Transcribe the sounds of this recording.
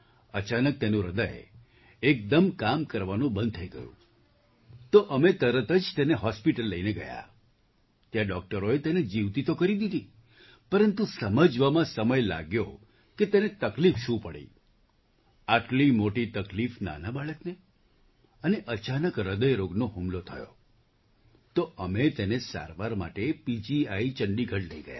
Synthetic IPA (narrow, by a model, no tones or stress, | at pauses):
ət͡ʃanək̚t̪enũɾəd̪əj | ek̚d̪əmkamkəɾʋanũbənd̪̚t̪ʰəjɡə̰jṵ̃ | t̪oʔəmet̪əɾət̪əd͡ʒt̪eneɦɔspiʈəlːəineɡə̰ja̰ | t̪jaɖɔk̚ʈəɾoet̪ened͡ʒiʋt̪it̪okəɾid̪id̪i | pəɾənt̪usəməd͡ʒʋamãsəməjla̰ɡjo | ket̪enet̪əklifʃũpəɽḭ | aʈlimoʈit̪əklifna̰nabaɭəkne | əneʔət͡ʃanəkɾəd̪əjɾoɡnoɦumlot̪ʰəjo̰ | t̪oʔəmet̪enesa̰ɾʋaɾma̰ʈepid͡ʒiait͡ʃəɳɖiɡʱəʈləiɡəja̰